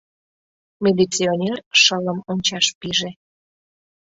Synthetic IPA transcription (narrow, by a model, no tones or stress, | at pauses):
mʲilit͡sionʲerʃələmonʲt͡ɕɑʃpiʒe